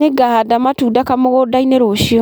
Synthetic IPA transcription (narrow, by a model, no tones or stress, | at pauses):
eɡahadamatudakamoɣodaineɾoʃiɔ